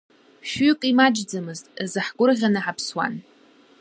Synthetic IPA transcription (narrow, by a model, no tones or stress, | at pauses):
ʃᶣʏkʼimad͡ʒd͡zamɨztʼzɨħɡʷʊrʁʲanɨħapʰswa̰n